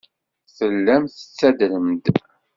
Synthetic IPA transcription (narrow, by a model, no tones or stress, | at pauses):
θəlːæmθə̥t͡sːæd̪ləmd̪